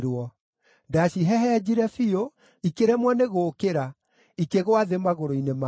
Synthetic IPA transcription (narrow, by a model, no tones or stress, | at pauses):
ɾwɔ | daʃiɦɛɦɛd͡ʑiɾɛfio | ikeɾɛmwɔneɣoːkeɾa | ikeɣwaðemaɣoɾoinema